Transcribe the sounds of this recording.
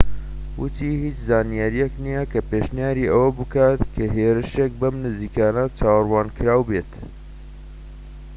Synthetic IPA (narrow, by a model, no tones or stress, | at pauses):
wɨt̪ʰiːhit͡ʃzaːnijaɾijɛknijɛkʰɐpeːʃnijaːɾiːʔɐwɐbɨkaːt̪kʰɐɦeːɾɨʃek̚bɐmnɨziːkaːnɐt͡ʃaːwrwaːnkʰɨɾaːwbeːt̪